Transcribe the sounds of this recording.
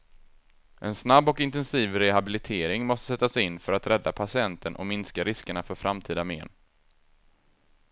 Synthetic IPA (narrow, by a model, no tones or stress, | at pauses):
ʔɛnsnabːɔkɪnt̪ɛnsiːvɾɛɦabɪlɪt̪ʰeːɾɪŋmɔst̪əsɛt̪ːasɛɪnːfœɾat̪ɾʔɛd̪ːapʰasɪɛnt̪ʰənʔɔ̰mɪnskaɾɪskəɳafœɾfɾamt̪ʰiːd̪amḛːn